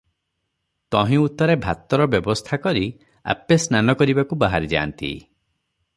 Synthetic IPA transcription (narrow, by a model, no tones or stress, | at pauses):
t̪ɔɦĩut̪ɔɾebʱat̪ɔɾɔbjɔbɔst̪ʰakɔɾi | a̰pesnanɔkɔɾibakubaɦaɾid͡ʒa̰ːnt̪ḭ